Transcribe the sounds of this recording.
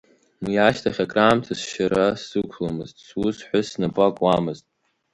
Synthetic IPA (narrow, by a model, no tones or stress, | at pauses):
njaʃtʰaχʲakʼraːmtʰasʃaɾasɨkʷʰlamɨztʼsusħʷasnapʼakʼwamɨztʼ